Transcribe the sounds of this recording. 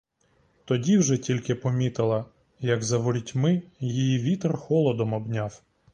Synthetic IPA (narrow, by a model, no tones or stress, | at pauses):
t̪ɔdʲiwʒɛtʲilʲkɪpɔmʲit̪ɪlˠɐ | jɐɡzɐʋɔɾʲitʲmɪjijiʋʲit̪rxɔlˠɔd̪ɔmɔbnʲaw